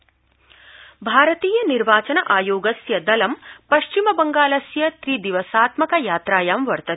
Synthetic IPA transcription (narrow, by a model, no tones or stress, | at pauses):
bʱaːɾɐt̪iːjɐniɾʋaːt͡ʃɐnɐʔaːjoːɡɐsjɐd̪ɐlɐmpɐʃt͡ʃimɐbɐŋɡaːlɐsjɐt̪ɾid̪iʋɐsaːt̪mɐkɐjaːt̪ɾaːjaːmʋɐɾt̪ɐ